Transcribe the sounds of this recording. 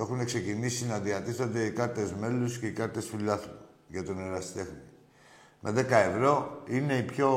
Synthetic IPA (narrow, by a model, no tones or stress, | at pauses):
e̞xune̞kse̞cinisinɐðiɐt̪isθond̪e̞ikɐɾt̪e̞zme̞lusce̞ikɐɾt̪e̞sfilɐθɾu | ʝɐt̪oneɾɐst̪e̞xni | mʔe̞ðe̞kɐe̞vɾo̞ine̞ipço̞